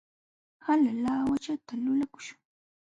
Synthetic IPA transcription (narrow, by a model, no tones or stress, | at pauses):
halalaːwat͡ʃat̪alʊlakʊ̥ʃʊ̥ŋ